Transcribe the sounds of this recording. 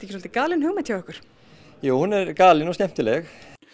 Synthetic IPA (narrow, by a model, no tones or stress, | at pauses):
t̪ɛ̥çɪsɔlt̪ɪkaːlɪnɦʏːɣmɪt̪ʰjawœhkʏɾ̥ | juːwhunɛɾkaːlɪnɔscɛm̥t̪ɪlɛx